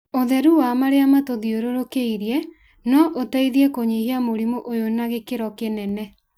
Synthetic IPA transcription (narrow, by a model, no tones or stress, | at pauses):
oðɛɾuwamaɾeamatoðioɾoɾokeiɾiɛ | nɔʔotɛiðiɛkoɲehiamoɾimuʔojonaɣekeɾɔkenɛnɛ